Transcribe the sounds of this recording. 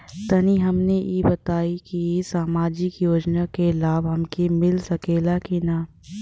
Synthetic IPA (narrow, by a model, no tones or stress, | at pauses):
t̪ɐniɦɐmnejeːbɐt̪aːikiesaːmaːd͡ʒɪkjoːd͡ʒnakelaːbɦɐmkimɪlsɐkeːlakina